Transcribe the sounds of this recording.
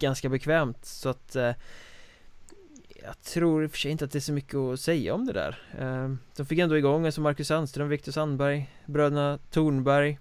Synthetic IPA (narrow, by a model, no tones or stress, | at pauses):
ɡ̥anskabɛkʰvɛːmt̪sɔat̪ | jɑ̰ːt̪ʰɾuːɾɪfə̥ʂɛjɪnt̪əat̪̚d̪ɛæʂɔmʏkʰːəɔsɛjːa̰ɔmd̪ɛd̪æ̰ːɾ | d̪̥ɔmfɪkːɛnd̪oːɪɡɔŋːasɔmːaɾkɵsanst̪ɾœmvɪk̚t̪ʊʂanːbæɾj | bɾøːd̪ənat̪ʰuːɳbæɾj